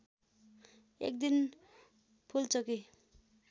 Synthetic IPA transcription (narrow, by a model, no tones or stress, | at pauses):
ḛk̚d̪in | pʰult͡sʌki